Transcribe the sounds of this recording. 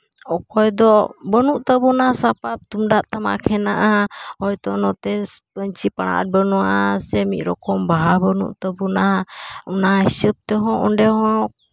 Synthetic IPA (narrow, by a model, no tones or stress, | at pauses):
ɔkɔjd̪ɔbənuʔt̪əbunasapap̚t̪umɖaʔt̪ama̰kʰɛnaʔahɔjt̪ɔnɔt̪ɛpəɲt͡ʃipaɽ̃a̰ʔa̰t̪̚bənuwaʔasɛmit̪̚ɾɔkɔmbaɦabənṵʔt̪əbunaɔnaisəp̚t̪ɛɦɔ̃ʔɔ̰nɖɛɦɔ̃